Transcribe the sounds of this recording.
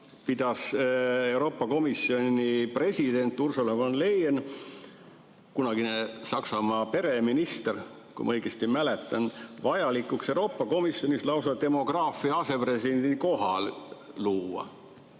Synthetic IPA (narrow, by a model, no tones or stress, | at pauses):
pid̪̥ɑse̞uwɾo̞ːpːɑko̞misːio̞nipre̞sʲid̪̥e̞nʲt̪ːˑursolemonle̞jen | kunɑɡ̥inesɑksɑmɑːpe̞ɾe̞minist̪er | kṵjmɑ̰ɤjɡ̥est̪imæle̞t̪ˑːɑnvɑjɑlikːˑuksewɾo̞ːpːˑɑko̞misjo̞nʲislɑuws̬ɑlt̪e̞mo̞ɡ̥rɑːfˑiɑɑse̞pre̞siend̪iko̞ɦɑ̰lluːɑ̰